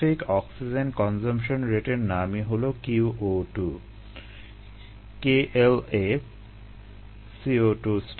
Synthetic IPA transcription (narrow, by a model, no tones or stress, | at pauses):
ikɔksid͡ʑenkɔnd͡ʑomʃonɾeʈeɾnamiɦolokiuʔoʈu | keʔele | sioʈusʈ